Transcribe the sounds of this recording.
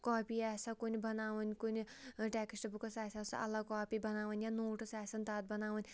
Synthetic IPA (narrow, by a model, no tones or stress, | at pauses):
kɔːpiɛːsakunibɐnaːʋɐnʲkuniʈɛːkisʈɐbukɐsaːsʲasɐ̰ʔɐ̰lːakɔːpiːbɐnaːʋɐnʲjanoːʈɨsɛːsɐnt̪aːt̪̚bɐnaːʋɐnʲ